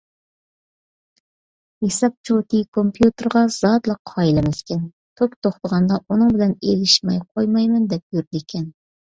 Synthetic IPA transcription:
hesɑp̚t͡ʃʰot̪ʰɨkʰompʰjut̪ɨɾʁɑz̥ɑd̪lˠəqʰːɑjilɪmɛskʲɛn | t̪ʰokt̪ʰoχt̪əʁɑnd̪ɑʔunɨŋbɪlɛnelɪʃmɑ̰jqʰojmɑjmɨnd̪ɛp̚jyɾd̪ikʲʰɛn

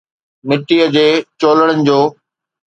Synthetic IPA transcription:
nɪʈːiəd͡ʑeːt͡ɕoːləɽənɪ̆d͡ʑoː

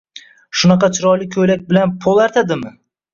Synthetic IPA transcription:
ʃʊnɑqɑt͡ʃʰɪɾɒjlɪkʲʰɵjlak̚ʲbɪlanpʰolˠaɾt̪ʰad̪ɪmɪ

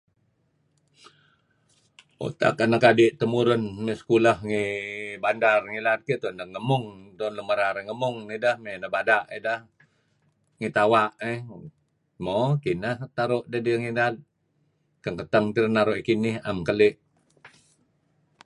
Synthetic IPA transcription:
o̰t̪a̰kanakadɪʔt̪əmuɾʊnmesə̥kulahŋibandarŋilat̪̚kiʔt̪ɔndəŋəmʊŋt̪ɔnləməɾaɾiŋəmʊŋnidəhmenəbadaʔidəh | ŋit̪awaʔe | mɔkinəht̪aɾoʔdadiŋilal̚ | kəŋkət̪aŋt̪iɾənaɾoʔikinɪhamkəlɪʔ

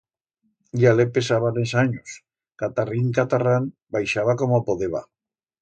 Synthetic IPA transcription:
jalepesaβanesaɲos | kat̪ariŋkat̪aran | bajʃaβakomopoðeβa̰

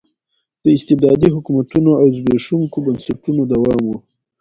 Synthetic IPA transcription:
d̪̥əɪst̪ɪb̚d̪ɑd̪iɦʊkumat̪unoawzbeʂuŋkobansaʈunod̪awɑːmwu

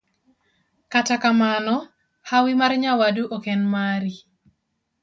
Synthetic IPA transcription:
katakamanɔ | hawimarɲawaduʔokɛnmaɾi

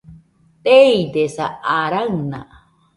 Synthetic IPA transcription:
t̪eid̪esaːɾaŋna̰

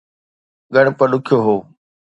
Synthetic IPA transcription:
ɠəɽ̃pəɗʊkʰjoːɦoː

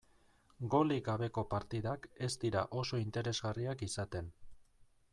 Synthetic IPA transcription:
ɡo̞liɡaβ̞e̞ko̞paɾt̪iðake̞st̪iɾaʔo̞so̞int̪e̞ɾe̞zɣariakisat̪e̞n

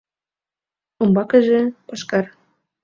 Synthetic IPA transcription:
umbɑkɤ̆ʒĕpɑʃkɑr

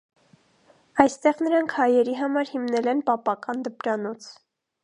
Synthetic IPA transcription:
ɑjst̪ɛʁnəɾɑŋkʰhɑjɛɾiɦɑmɑɾhimnɛlɛnpɑpɑkɑnd̪əpɾɑnɔt͡sʰ

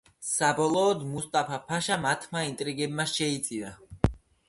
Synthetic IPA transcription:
sabɔlˠɔːd̪must̪ʼapʰapʰaʃamat̪ʰmaint̪ʼɾiɡɛbmaʃɛit̪sʼiva

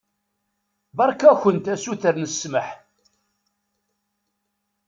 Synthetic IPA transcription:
bɑɾˤkæçənt̪æsuθəɾnəsːməħ

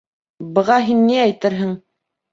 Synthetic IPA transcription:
bɤ̆ʁɑɦinːiæjt̪ɘɾɦɘŋ

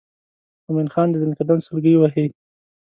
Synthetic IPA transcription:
ʊminxɑnd̪əd̪ɪnɪkad̪ansəlɡəjwaɦi

